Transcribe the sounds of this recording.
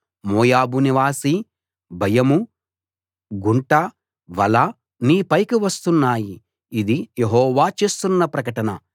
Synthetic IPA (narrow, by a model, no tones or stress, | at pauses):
mɔːjaːbuniʋaːsi | bʱɐjɐmu | ɡuɳʈɐ | ʋɐlɐ | niːpɐjkiʋɐst̪unːaːjiː | d̪ijeɦɔːʋaːt͡ʃe̞ːst̪unːɐpɾɐkɐʈɐnɐ